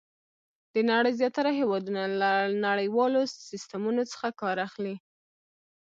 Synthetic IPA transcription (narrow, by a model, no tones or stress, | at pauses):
d̪̥ənaɽəjzjɑt̪aɾaɦewɑd̪unalanaɽəjwɑlosist̪amunot͡sə̥xakɑɾaxli